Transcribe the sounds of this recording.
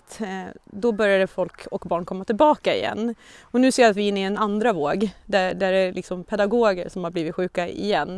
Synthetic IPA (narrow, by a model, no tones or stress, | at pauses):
t̪d̪ɔbœɾjad̪əfɔlkʰɔkbɑːɳkʰɔmːat̪ʰɪlbɑːkaɪ̰jɛ̰nːɔnʉ̟ːseːjɾat̪vɪɪnːɪɛnand̪ɾavoːɡd̪æd̪æɾɛlɪksɔmpʰɛd̪aɡoːɡə̰ɾʂɔmhaɾbliːvɪt̪ɧʉ̟ːkaɪ̰jɛnː